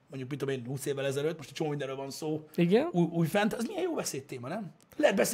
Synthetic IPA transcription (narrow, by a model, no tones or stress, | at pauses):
moɲɟuk̚mint̪omeːnhuːseːvːɛlɛzɛɾøt̪̚ːmo̞ʃt̪ɛ̥t͡ʃomoːmind̪ɛɾøːlvɒnsoːiɡɛnuuːjfɛnt̪ɒzmijɛjoːbɛseːt̪ːeːmɒnɛm | lɛɦt̪̚bɛs